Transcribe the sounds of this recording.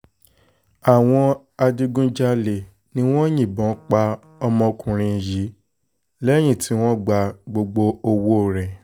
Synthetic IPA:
a˨w̃ɔ̃˧ | a˧di˧ɡũ˦d͡ʒa˦le˨ | nĩ˦w̃ɔ̃˦jĩ˦˨bɔ̃˨˦k͡pa˦ | ɔ˧mɔ̃˧kũ˧ɾ̃ĩ˧˨ji˨˦ | lɛ˦j̃ĩ˦˨tʰi˨˦w̃ɔ̃˦ɡ͡ba˨ɡ͡bo˧ɡ͡bo˧o˧wo˦˨ɾɛ˨

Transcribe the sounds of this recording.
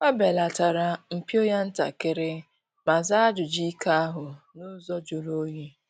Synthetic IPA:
a˦be˨la˨ta˨ɾa˨m̩˨pi˦o˦ja˦n̩˦ta̰˨ke˦ɾɪ˦ | ma˨za˦a˦d͡ʒʊ˨d͡ʒi˦ka˦a˦ɦʊ˨ | nʊ˦zɔ˦d͡ʒo˨lo˦je˦

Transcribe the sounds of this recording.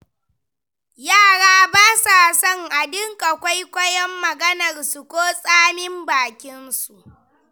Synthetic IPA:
jaː˦˨ɽaː˦baː˦sa˨sɔ˦˨ŋʔa˨dɪ˦ŋkʼa˨kʷa˦jkʷɐ˦jɔ˦mːɐ˨ɡɐ˦nɐ˨rsu˨kʷoː˦sʼaː˦mɪ˦mbaː˨kʲɪ˦nsu˨ʔ

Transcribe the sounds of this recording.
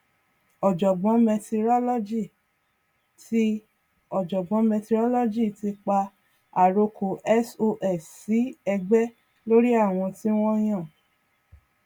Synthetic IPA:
ɔ˨d͡ʒɔ˨ɡ͡bɔ̃˨˦mɛ˧ti˧ɾɔ˦lɔ˦d͡ʒi˦˨ | ti˦ | ɔ˨d͡ʒɔ˨ɡ͡bɔ̃˨˦mɛ̃˧ti˧ɾɔ˦lɔ˦d͡ʒi˦˨ti˧k͡pa˧ | a˨ɾo˧ko˨ʔɛ˦so˧ʔɛ˦˨ssi˨˦ɛ˧ɡ͡bɛ˦ | lo˦ɾi˦a˦˨w̃ɔ̃˧ti˦w̃ɔ̃˦j̃ã˦˨

